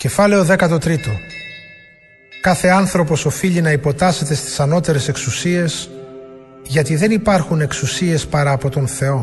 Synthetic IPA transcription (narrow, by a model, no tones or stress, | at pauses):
ce̞fɐle̞oðe̞kɐt̪o̞t̪ɾit̪o̞ | kɐθe̞ɐnθɾo̞po̞so̞fiʎinɐipo̞t̪ɐse̞t̪e̞st̪i̥sɐno̞t̪e̞ɾe̞se̞ksusie̞s | ʝɐt̪iðe̞nipɐɾxune̞ksusie̞spɐɾɐːpo̞t̪o̞nθe̞o̞